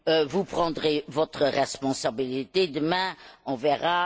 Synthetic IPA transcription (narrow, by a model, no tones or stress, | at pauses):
vupχɑ̃d̪ʁevɔt̪χəʁɛspɔ̃sabilit̪ed̪əmɛ̃ɔ̃vɛʁa